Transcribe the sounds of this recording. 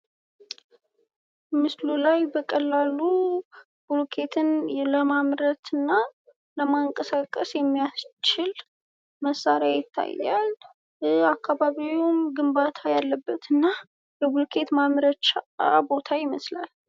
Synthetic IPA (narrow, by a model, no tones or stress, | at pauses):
mɨslulajbəkʼəlːalu | bulkʰe̞t̪ʰɨnləmamɾət̪ʰɨnːa | ləmaɨŋkʼəsakʼːəsjɛmːijast͡ʃɪl | məsːaɾeajɪt̪ʰːa̰jːa̰l | akːaβaβiumɡɨmbat̪ʰajalːəbːət̪ɨnːa | ləbulkʰe̞t̪mamɾət͡ʃaabo̞t̪ʰajɪməslal